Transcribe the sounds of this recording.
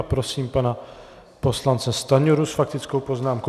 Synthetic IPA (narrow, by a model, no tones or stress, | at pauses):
pɾosiːmpana | poslant͡sɛst̪aɲoɾusfak̚t̪ɪt͡skowpoznaːmko